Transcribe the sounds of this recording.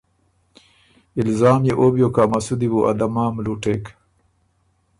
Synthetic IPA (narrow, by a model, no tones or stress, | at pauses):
ilzaːmjeʔoːbjoːkaːmɐsud̪iwuʔɐ̰d̪ɐmaːmluːʈeːk